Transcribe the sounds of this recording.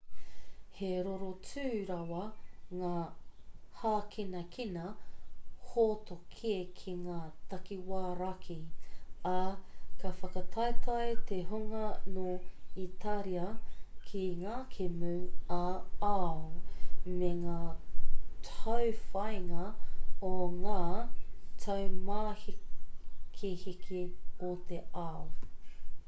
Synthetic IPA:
heɾoɾot͡sʉːɾɐwɐŋaː | haːkʰinɐkʰinɐ | hotokʰiekʰiŋaːtɐkiwaːɾɐkʰi | ɐkɐfɐkɐtʰɐetʰɐjt̪eɦuŋɐnoitʰaɾiɐkʰiŋaːkʰemʉaaomeŋaː | tʰɐwfɐjŋɐoŋaːtʰɐwmaːhi | kʰihikʰiot̪ʰeʔao

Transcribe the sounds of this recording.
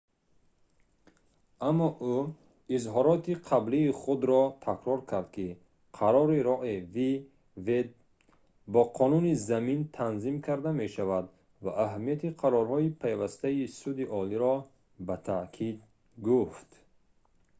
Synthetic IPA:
ʔamːɔʔu | izɦɔɾɔt̪iqʰabliːχud̪ɾɔt̪ʰakɾɔɾkʰaɾd̪̚ki | qʰaɾɔɾiɾɔʔivi | ve | bɔqʰɔnunizamint̪ʰanzimkʰaɾd̪ame̞ʃavad̪ | vaʔːɦamijat̪iqʰaɾɔɾɦɔipʰajvast̪aisud̪iʔɔliɾɔ | bat̪ʰakʰid̪ | ɡuft̪

